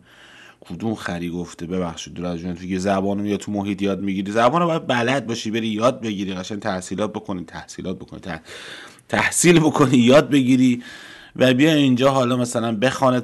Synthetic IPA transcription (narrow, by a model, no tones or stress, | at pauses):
kʰud̪umxæɾiːɡoft̪ebe̞βæxʃid̪̚d̪uɾæzʒonfikizæbɒːnomijɒt̪ʰumoɦiːt̪ʰjɒːd̪miɡiːɾiːzæbɒːnobɒːjæd̪̚bælæd̪̚bɒːʃibe̞ɾiːjɒːd̪̚be̞ɡiːɾiːɡæʃænt̪ʰæhsiːlɒːt̪̚bo̞kʰo̞nit̪ʰæhsḭːlɒːt̪̚bo̞kʰonḭ | t̪ʰæhsiːlbo̞kʰoniːjɒːd̪̚be̞ɡiɾiː | væbijɒjind͡ʒɒːɦɒːlɒːmæsælænbe̞xɒːne